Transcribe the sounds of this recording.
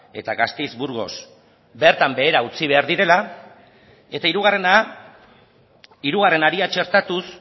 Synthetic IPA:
e̞̰t̪aɣast̪ezbuɾɣo̞s | be̞ɾt̪ambe̞ːɾaut͡siβ̞e̞aɾðiɾe̞la | e̞t̪aiɾuɣ̞are̞na | iɾuɣ̞are̞naɾiat͡ʃe̞ɾt̪at̪us

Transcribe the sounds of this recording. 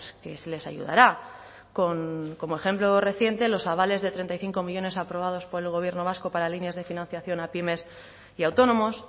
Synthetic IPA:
ske̞sle̞sa̰ʝṵða̰ɾa | ko̞ŋko̞moe̞χe̞mplo̞re̞θje̞nt̪e̞lo̞saβ̞ale̞zðe̞t̪ɾent̪ajθiŋko̞miʎo̞ne̞sapɾo̞β̞að̞o̞spo̞ɾe̞lɣ̞o̞β̞je̞ɾno̞β̞asko̞paɾalinjazð̞e̞finãn̟θjaθjo̞napime̞s | iawt̪o̞nõ̞mo̞s

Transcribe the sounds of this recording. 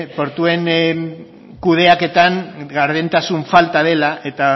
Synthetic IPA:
po̞ɾt̪ue̞ŋ | kuð̞e̞ake̞t̪aŋɡaɾðent̪asuɱfalt̪að̞e̞laʔe̞t̪a

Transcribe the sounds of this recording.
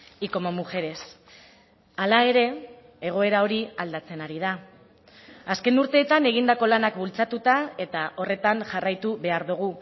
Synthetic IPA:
iko̞mo̞muʝe̞ɾe̞s | alae̞ɾe̞ː | ɣ̞o̞e̞ɾao̞ɾiald̪at͡se̞naɾiða | aske̞nuɾt̪e̞ːt̪ane̞ɣ̞ind̪ako̞lanakbult͡sat̪ut̪ae̞t̪aʔo̞re̞t̪aŋʝarajt̪uβe̞aɾðuɣ̞u

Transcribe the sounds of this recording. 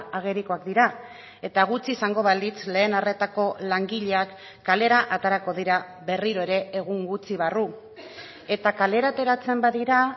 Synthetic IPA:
aɣ̞e̞ɾiko̞ak̚d̪iɾa | e̞t̪aɣ̞ut͡siːsaŋɡo̞βald̪it͡sle̞ːnare̞t̪ako̞laŋɡiʎe̞akː | ale̞ɾaʔat̪aɾako̞ð̞iɾa | βe̞riɾo̞e̞ɾe̞ːɣ̞uŋɡut͡siβ̞aru | e̞t̪akale̞ɾat̪e̞ɾat͡se̞mbaðiɾa

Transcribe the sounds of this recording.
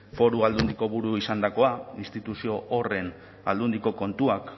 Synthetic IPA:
fo̞ɾuald̪und̪iko̞βuɾuisand̪ako̞ainst̪it̪usio̞ʔore̞n | a̰ld̪und̪iko̞ko̞nt̪uak

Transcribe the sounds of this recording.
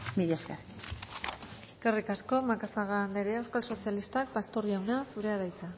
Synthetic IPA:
miðeskaɾ | karikasko̞makasaɣaːnd̪eɾeewskalso̞sialist̪ak̚past̪o̞riawnasuɾe̞aðajt͡sa

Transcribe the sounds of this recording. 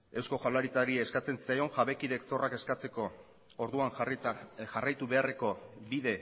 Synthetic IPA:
e̞wsko̞ʝalaɾit͡saɾiːskat͡se̞nsi̥sajoŋʝaβe̞kiðe̞kso̞rake̞skat͡se̞ko̞ː | ɾðuaŋ | ʝarajt̪uβe̞are̞ko̞biðe̞

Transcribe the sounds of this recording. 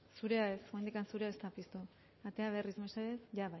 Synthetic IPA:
suɾe̞ae̞sɣond̪ikansuɾeaest̪apist̪u | at̪e̞aβ̞e̞rizmeseɾesʝaβaj

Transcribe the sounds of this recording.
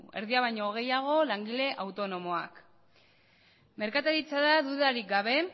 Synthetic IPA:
e̞ɾðiaβajɲo̞ɣ̞e̞jaɣ̞o̞laŋɡile̞ʔawt̪o̞no̞mo̞a̰k | me̞ɾkat̪aɾit͡saðaðuðaɾik̚ɡaβe̞

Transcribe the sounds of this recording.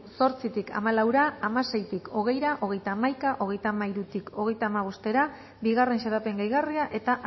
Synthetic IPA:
so̞ɾt͡sit̪ikʰa̰malawɾaːmase̞jt̪iko̞ɣ̞e̞jɾaʔo̞ɣ̞e̞jt̪amajkaʔo̞ɣ̞e̞jt̪amaiɾut̪ikʰo̞ɣ̞e̞jt̪aːmaβ̞o̞st̪e̞ɾa | biɣ̞are̞nʃeɾape̞ŋɡajɣariaʔe̞t̪aʔ

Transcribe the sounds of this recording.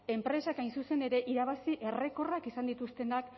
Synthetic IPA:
e̞mpɾe̞sakajnsuse̞ne̞ɾe̞ʔiɾaβasiʔe̞re̞ko̞rakisand̪it̪ust̪e̞nak

